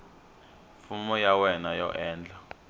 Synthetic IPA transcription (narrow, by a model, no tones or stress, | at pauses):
fumɔjawɛnajɔ̰ʔɛːnd͡ɮʱa